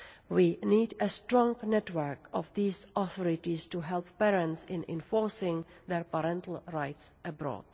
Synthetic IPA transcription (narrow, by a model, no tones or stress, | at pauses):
wiːniːdəstɹɔ̃ŋnɛtwəɹkɔvðiːzɔθɔɹɪtistuɦɛlˠpːɛɹə̃ntsɪ̃nɪ̰̃ɱfɔɹsɪ̃ŋðɛɹpəɾɛ̃ntʰl̩ˠɹaɪtsəbɹɔ̰ːd̥